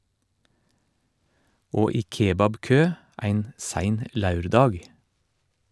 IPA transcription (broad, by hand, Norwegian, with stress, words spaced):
ˈoː ˈiː ˈkeːbɑbˌkøː ˈæɪn ˈsæɪn ə ˈlɑʉɾˌdɑːɡ